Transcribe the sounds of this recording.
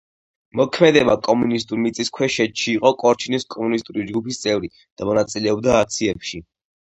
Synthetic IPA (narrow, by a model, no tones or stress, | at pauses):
mɔkʰmɛd̪ɛbakʼɔmunist̪ʼuɾmit̪sʼiskʰwɛʃɛt̪ʃiːqʼɔkʼɔɾt͡ʃʰiniskʼɔmunist̪ʼuɾid͡ʒɡupist̪sʼɛvɾi | d̪̥amɔnat̪sʼilɛɔb̚d̪aːk̚t̪sʰiɛpʃi